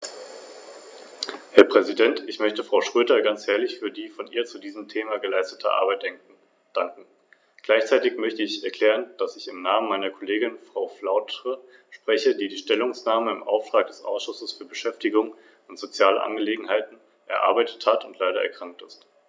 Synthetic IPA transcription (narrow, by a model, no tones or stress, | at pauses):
hɛɐpʁ̥ɛzidɛntɪçmœçtəfʁ̥aʊʃʁ̥øːdɐɡant͡shɛːɐlɪçfyːɐdiːfɔnʔḭːɐt͡sudiːzəm̩tʰeːmaɡəlaɪstətʰə̰ʔa̰ɐbaɪt̚d̥ɛŋk | d̥aŋkŋ̩ | ɡ̥laɪçt͡saɪtɪçmœçtəɪçɛɐkʰl̥ɛːʁ̞ənd̥asɪçɪmnaːmənmaɪnɐkʰoleːɡɪnfʁ̥aʊflaʊtʁə | ʃpʁ̥ɛçədiːdiːʃtɛlʊŋsnaːməɪmʔa̰ʊftʁ̥aːk̚d̥ɛsʔa̰ʊsʃʊsəsfyːɐbəʃɛftɪɡʊŋ | ʊntz̥ot͡sjaːlə̰ʔa̰nɡəleːɡŋ̩ɦaɪtn̩ | ʔɛɐʔa̰ɐbaɪtʰə̥thatʊntlaɪɾɐɛ̰ɐkʁ̥aŋk̚tɪst